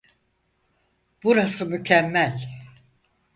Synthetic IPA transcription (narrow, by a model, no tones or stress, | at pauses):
b̥uɾasɯmycʰɛmːælʲ